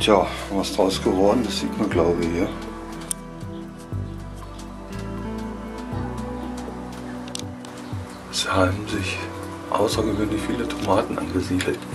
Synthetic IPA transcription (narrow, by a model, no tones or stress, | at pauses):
tʰjaːvasd̥ʁaʊsɡ̥əvɔɐdn̩dasz̥iːtmanɡlaʊbəhiːɐ | z̥iːhaːbm̩zɪç | ʔa̰ʊsɐɡəvøːnlɪçfiːlətʰomaːtn̩ʔa̰nɡəziːdl̩t